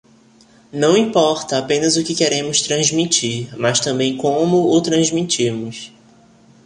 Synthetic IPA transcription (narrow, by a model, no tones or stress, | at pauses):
nɐ̃w̃ĩpɔɾt̪ɐapẽnɐzʊkɪkeɾẽmʊst̪ɾɐ̃zmit͡ʃiɾmast̪ɐ̃bẽj̃kõmʊʊt̪ɾɐ̃zmit͡ʃimʊs